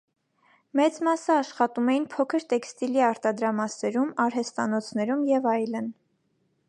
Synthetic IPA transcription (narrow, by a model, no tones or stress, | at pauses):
mɛt͡smɑsəɑʃχɑt̪umɛjinpʰɔkʰəɾt̪ɛkst̪iliɑɾt̪ɑd̪ɾɑmɑsɛɾumɑɾɦɛst̪ɑnɔt͡sʰnɛɾumjɛvɑjlən